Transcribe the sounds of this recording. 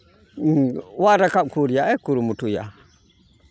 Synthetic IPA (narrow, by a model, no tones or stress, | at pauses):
wadakakuɾjaekuɾumutuja̰